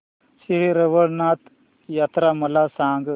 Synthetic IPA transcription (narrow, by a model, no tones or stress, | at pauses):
siɾiɾeʋəɽnat̪ | jat̪ɾamɐlasaːŋɡ